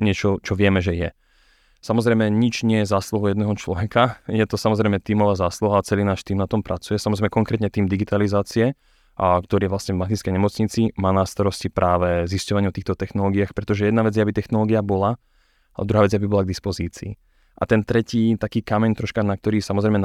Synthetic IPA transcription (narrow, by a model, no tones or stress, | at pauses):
ɲɪɛt͡ʃɔt͡ʃɔʋɪɛmɛʒɛjɛ | samɔzɾɛjmɛɲit͡ʃɲɪɛjɛzaːsluɦujɛd̪nɛɦɔt͡ʃlɔʋɛkajɛt̪ɔsamɔzɾɛjmɛt̪iːmɔʋaːzaːsluɦaat͡sɛliːnaːʃt̪iːmnat̪ɔmpɾat͡sujɛsamɔzɾɛjmɛkɔŋkɾɛt̪ɲɛt̪iːmd̪iɡit̪alizaːt͡siɛ | kt̪ɔɾiːʋlasɲɛvmat̪iskɛjɲɛmɔt͡sɲit͡simaːnast̪aɾɔscipɾʔaːʋɛziscɔʋaɲʊɔft̪iːxt̪ɔt̪ɛxnɔlɔːɡijaːxpɾɛt̪ɔʒɛjɛd̪naʋɛd͡zjɛabit̪ɛxnɔlɔːɡiabɔla | alɛ̰d̪ɾuɦaːʋɛd͡zɛabibɔlaɡ̚d̪ispɔziːt͡siː | ʔa̰t̪ɛnt̪ɾɛciːt̪akiːkamɛɲt̪ɾɔʃkanak̚t̪ɔɾiːsamɔzɾɛɪjmɛ